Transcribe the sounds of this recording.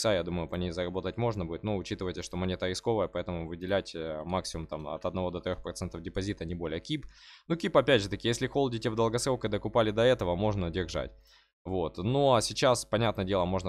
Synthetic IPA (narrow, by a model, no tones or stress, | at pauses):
sajad̪uməjʊpɐnʲejzəɾɐbo̞t̪ətʲmo̞ʐnəbudʲɪt̪noʊt͡ɕit̪ɨvəjt̪ʲɪəʂt̪o̞mɐnʲe̞t̪əɾʲɪsko̞vəjəpɐɛt̪əmʊvɨdʲɪlʲætʲmaksʲɪmʊmt̪amɐ̰t̪ɐd̪nɐvo̞d̪ɐt̪ɾʲo̞xpɾɐt̪sɛnt̪əvdʲɪpɐzʲit̪ənʲɪbo̞lʲɪjəkʲipnukʲipɐpʲædʲʐɨt̪əkʲɪjesʲlʲɪxo̞lˠdʲɪtʲevd̪əlˠɡɐsɾokəd̪əkʊpalʲɪd̪ɐɛt̪əvəmo̞ʐnədʲɪrʐa̰tʲ | vot̪noɐsʲɪt͡ɕaspɐnʲat̪nəədʲelˠəmo̞ʐnə